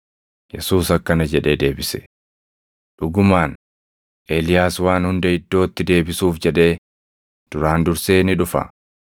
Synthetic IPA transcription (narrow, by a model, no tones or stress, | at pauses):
jɛsuːsɐkːɐnɐd͡ʒɛᶑe̞ːd̪e̞ːbɪsɛ̥ | ᶑʊɡʊmaːn | ʔe̞ːlɪjaːswaːnhʊnd̪ɐɪd̪ːo̞ːt̪ːɪd̪e̞ːbɪsuːfd͡ʒɛᶑe̞ː | d̪̥ʊɾaːnd̪ʊɾse̞ːnɪᶑʊfɐ̰